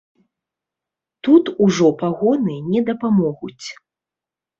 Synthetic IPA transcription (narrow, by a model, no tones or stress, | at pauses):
t̪ut̪uʐɔpaɣɔnɨnʲɛd̪ɐpamɔɣut͡sʲ